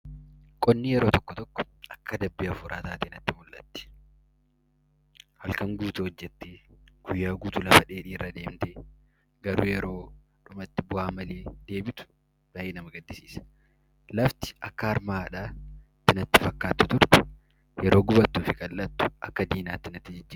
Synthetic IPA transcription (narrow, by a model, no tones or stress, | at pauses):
kʼɔnːijɛɾo̞ːt̪ɔkːɔt̪ɔkːɔ̥ | ʔɐkʰːɐd̪ɐbːɪɐfʊɾʔaːt̪aːt̪eːnɐt̪ːɪmʊlʔɐ̰t̪ːɪ̥ | hɐlkɐŋɡuːt̪ʊhɔd͡ʒːɛt̪ːeːɡ̥ʊjːaːɡuːt̪ʊlɐfɐᶑe̞ːᶑiːrːɐd̪eːmt̪eː | ɡɐɾṵːjɛɾo̞ː | ᶑʊmɐt̪ːɪbʊhaːmɐleːd̪̥e̞ːbɪt̪ʊ̥ | b̪̥ɐʔeːnɐmɐɡɐd̪ːɪsiːsɐ̥ | lɐft̪ɪ̥ʔɐkːɐɐɾmaːᶑaːt̪ːɪnɐt̪ːɪfɐkːaːt̪ːʊt̪ʊɾt̪ɛ̥ | jɛɾoːɡʊbɐt̪ːuːfɪkʼɐlʔɐt̪ːʊ̥ʔɐkːɐd̪iːnaːt̪ːɪnɐt̪ːɪd͡ʒɪd͡ʒːiː